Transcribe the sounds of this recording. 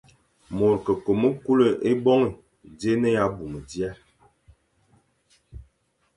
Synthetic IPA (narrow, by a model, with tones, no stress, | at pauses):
mo˨ɾkə˨ko˨mə˦ku˦lə˨ʔe˦bɔ˦ŋ˨ | de˦nə˦ja˦bu˨mə˨djɛ˦